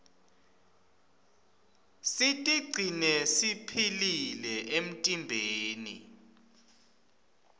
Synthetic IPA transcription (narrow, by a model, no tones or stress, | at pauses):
sitʼiɡ͡ǀʱinɛsipʰililɛʔem̩tʼimbʱeːnḭ